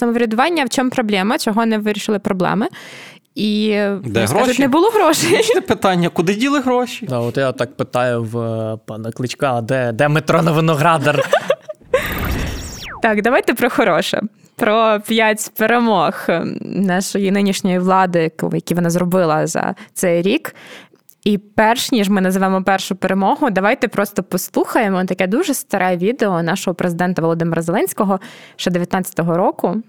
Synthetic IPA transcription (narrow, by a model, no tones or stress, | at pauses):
t̪ɔmʊʋɾʲɐd̪ʊʋɑnʲːɐwt͡ʃɔmpɾɔblʲɛmɐt͡ʃɔɦɔnɛʋɪɾʲiʃɪlˠɪpɾɔblˠɛ̰mɪ | id̪ɛɦɾaʒʊt̪ʲnnɛbʊlˠɔɦɾɔʃejpɪt̪ɑnʲːɐkʊd̪ɪdʲilˠɪɦɾɔʃʲid̪ɑɔt̪jat̪ːɑk̚pɪt̪ɑjʊwpɑnɐklˠɪt͡ʃkad̪ɛd̪ɛmɪt̪ɾɔnɐʋɪnɔɦɾɑd̪ɐr | t̪ɑkd̪ɐʋɑjt̪ɛpɾɔxɔɾɔʃɛ̰ | pɾɔpʲjatʲpeɾemɔxnɑʃɔjinɪnʲiʃnʲɔjiʋlˠɑd̪ɪkjɐkʲiʋɔnɑzɾɔbɪlˠɐzɐ̰t̪sɛjɾʲik | ipɛrʃnʲiʒmɪnɐzɪʋɛmɔpɛrʃʊpeɾemɔɦʊd̪ɐʋɑjt̪ɛpɾɔst̪ɔpɔslˠuxɐjemɔt̪ɐkɛd̪uʒɛst̪ɐɾʔɛʋʲid̪eɔnɑʃɔɦɔpɾʔezɪd̪ɛnt̪ɐʋɔlˠɔd̪ɪmeɾʔɐzɛlˠɛnʲsʲkɔɦɔʃt͡ʃɛd̪eʋʲjɐt̪nɑtʲt͡sʲːɐt̪ɔɦɔɾɔkʊ